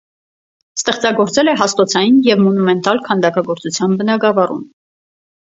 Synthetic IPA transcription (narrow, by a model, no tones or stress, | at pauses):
st̪ɛχt͡sɑɡɔɾt͡sɛlɛɦɑst̪ɔt͡sʰɑjinjɛvmɔnumɛnt̪ɑlkʰɑnd̪ɑkɑɡɔɾt͡sut͡sʰjɑnbənɑɡɑvɑrṵm